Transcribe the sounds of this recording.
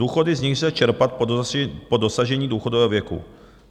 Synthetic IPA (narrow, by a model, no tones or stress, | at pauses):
uːxo̞dɪzɲɪxzɛlat͡ʃɛɾpat̪̚ppodosaʒɛɲiːduːxodovɛːɦovjɛkṵ